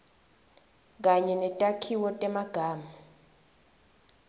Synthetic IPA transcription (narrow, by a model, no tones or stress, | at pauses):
k̬aɲɛnɛtʼakʰiwɔtʼɛmaɡ̥ʱaːma